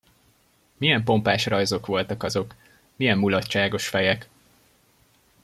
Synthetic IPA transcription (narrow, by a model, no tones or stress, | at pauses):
mijɛmpo̞mpaːʃrɒjzo̞kʋo̞lt̪ɒkɒzo̞k | mijɛmːulɒtt͡ʃaːɡo̞ʃfɛjɛk